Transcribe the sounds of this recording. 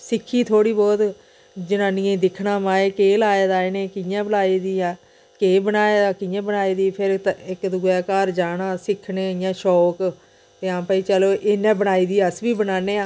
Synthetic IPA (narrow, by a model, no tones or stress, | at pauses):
sɪkʰːiːt̪ʰoːɽiːbɔːt̪ | d͡ʒɪnãːnɪ̃ẽːd̪ɪkʰnãːmãːeːkeːlaːeːd̪aːɪnẽːkɪjãːbəlaːiːd̪iːãː | keːbənaːeːd̪aːkɪjãːbənaːiːd̪iːpʰɪɾɪkd̪ʊɡɛːkaːɾd͡ʒaːnãːsɪkʰneːɪjãːʃɔːk | t̪eːãːpaːiːt͡ʃəloːʔɪnɛ̃ːbənaːiːd̪iːəsʋiːbənaːneːãː